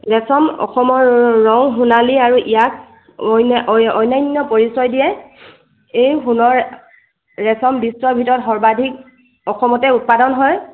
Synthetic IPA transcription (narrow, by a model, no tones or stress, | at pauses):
ɹɛsɔmɔ̰xɔmɔɹɹɔŋɦunaliaɹuʔijak̚ | ɔjnajnːɔpoɹisɔjdijɛ | ejxunɔɹ | ɹɛsɔmbistɹɔbʱitɔɹɔtxɔɹbadʱik̚ | ɔxɔmɔtɛut̚padɔnɦɔj